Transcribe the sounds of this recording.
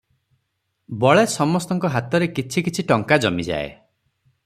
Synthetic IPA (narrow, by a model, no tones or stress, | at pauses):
bɔɭesɔmɔst̪ɔŋkɔɦat̪ɔɾekit͡ʃʰikit͡ʃʰiʈɔŋkad͡ʒɔmid͡ʒa̰ḛ